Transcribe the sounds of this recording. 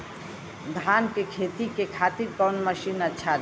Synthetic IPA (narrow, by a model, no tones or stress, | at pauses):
d̪ʱankekʰet̪ikekʰat̪iɾkɔnməʃinətːʃʰaɾ